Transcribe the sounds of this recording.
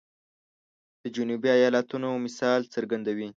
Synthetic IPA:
d̪̥əd͡ʒʊnubiajɑlat̪unomɪsɑlt͡səɾɡand̪awi

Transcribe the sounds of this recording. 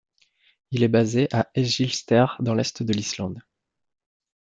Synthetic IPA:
ilɛbazeʔaɛʒilst̪ɛʁd̪ɑ̃lɛst̪d̪əlislɑ̃d̪

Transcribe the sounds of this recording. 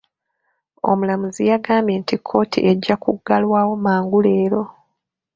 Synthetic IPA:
o̞̰mulamuzijaɡaːmeːntikʰːo̞ːtʰḭʔeɟːakuɡːalwaːwo̞maːŋɡule̞ːɾo̞

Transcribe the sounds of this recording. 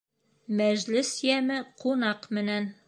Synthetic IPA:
mæʑlɘsjæmɘqunɑqmɘ̆næn

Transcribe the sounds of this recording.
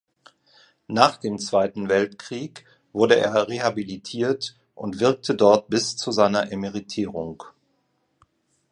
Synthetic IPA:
naːχd̥eːmt͡sv̥aɪtn̩vɛltkʁ̥iːk | v̥ʊɐdəʔḛːɐʁehabilitʰiːɐt | ʔʊntv̥ɪɐk̚tʰədɔɐt̚b̥ɪst͡suzaɪnɐʔemeʁitʰiːʁ̞ʊŋk

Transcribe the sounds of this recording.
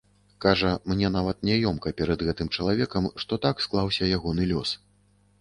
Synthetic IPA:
kaʐɐmnʲɛn̪avɐt̪nʲɛjɔmkɐpʲɛɾɐd̪ɣɛt̪ɨmt͡ʂɐlˠavʲɛkɐmʂt̪ɔt̪aksklˠawsʲɐjaɣɔn̪ɨlʲɔs

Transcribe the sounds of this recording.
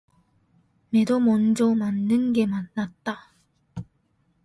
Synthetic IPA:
me̞domʌnd͡ʑʌmanːɯnɡe̞manːat̚t͈a

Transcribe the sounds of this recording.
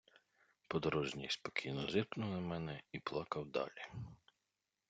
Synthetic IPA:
pɔd̪ɔɾɔʒnʲijspɔkʲʰijnɔzɪrpnʊɐmɛnɛiplˠɑkɐwd̪ɑ̰lʲi

